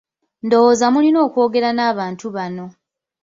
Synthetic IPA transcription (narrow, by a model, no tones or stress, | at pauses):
ndo̞woːzamulino̞ːkwoːɡe̞ɾanaːβaːntuβano̞